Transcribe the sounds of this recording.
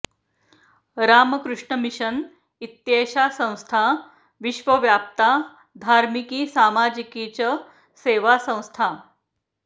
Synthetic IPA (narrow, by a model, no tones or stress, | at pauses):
ɾaməkɾuʂɳəmiɕən | it̪jeɕasə̃w̃st̪ʰa | ʋiɕʋəʋjap̚t̪a | d̪ʱaɾmikiːsamad͡ʑikit͡ɕə | seʋasə̃w̃st̪ʰa